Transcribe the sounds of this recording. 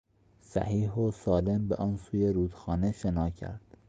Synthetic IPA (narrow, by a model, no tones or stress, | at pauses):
sæ̰hiːɦosɒːle̞mbeʔɒːnsuːjeɾuːd̪̥xɒːneʃenɒːcʰæ̰ɾd̪̥